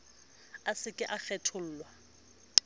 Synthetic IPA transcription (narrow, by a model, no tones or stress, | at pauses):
asɪkʼɪʔaχɛtʰʊl̩ːlwa